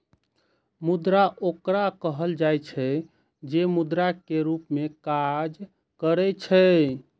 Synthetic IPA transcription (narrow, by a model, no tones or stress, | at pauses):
mud̪ɾaʔokɾakəɦəld͡ʒajt͡ʃʰɛ | d͡ʒemud̪ɾakeɾupmekad͡ʒ | kəɾɛt͡ʃʰɛ